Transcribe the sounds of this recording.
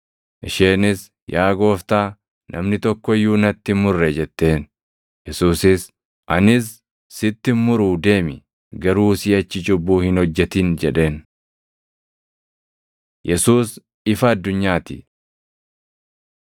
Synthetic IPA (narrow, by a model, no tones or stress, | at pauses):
ʔɪʃeːnɪs | jaːɡo̞ːft̪aː | nʔɐ̰mnɪt̪ɔkːɔjuːnɐt̪ːɪmʊrːɛd͡ʒɛt̪ːe̞ːn | jɛsuːsɪs | ʔɐnɪsː | ɪt̪ːɪmmːʊɾuːd̪e̞ːmɪ | ɡɐɾuːsiːɐt͡ʃːɪd͡ʒʊbːuːhɪnhɔd͡ʒːɛt̪iːnd͡ʒɛᶑe̞ːn | jɛsuːs | ɪfɐɐd̪ːʊɲːaːt̪ɪ̰